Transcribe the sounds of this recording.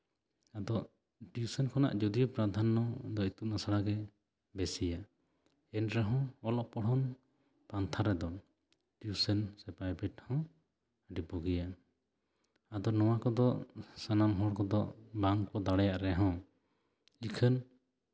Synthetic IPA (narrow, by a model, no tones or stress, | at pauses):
ad̪ɔ | ʈiusənkʰɔna̰ʔd͡ʒɔd̪ijɔpɾad̪ʱanːɔd̪ɔit̪uʔnasaɽaɡɛ | bɛsija | ɛnɾɛɦɔ̃ɔlɔʔpɔɽ̤ɔn | pɾant̪ʰaɾɛd̪ɔ | ʈiusənsɛpajbɛʈhɔ̃ | ɖipɔɡija | ad̪ɔnɔwakɔd̪ɔsanamɦɔɽkɔd̪ɔbaŋkpɔd̪aɽɛjaʔɾɛɦɔ̃ | ikʰən